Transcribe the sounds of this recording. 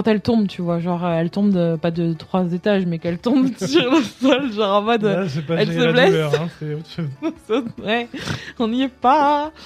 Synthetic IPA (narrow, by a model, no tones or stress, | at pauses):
kkɑ̃t̪ɛlt̪ɔ̃bt̪yvwaʒɑ̃ʁøɛlt̪ɔ̃bəpad̪ət̪χwazet̪aʒmɛkɛlt̪ɔ̃bsyʁlasɔlʒɑ̃ʁɑ̃mɔd̪sɛpaɛlsəblɛsʁ̃sɛot̪ʃozsawɛɔ̃niɛpa